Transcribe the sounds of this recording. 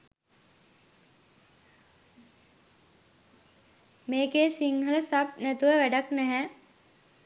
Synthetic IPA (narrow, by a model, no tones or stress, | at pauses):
meːkeːsiŋhələsap̚næt̪uʋəʋæɖaknɛɦɛ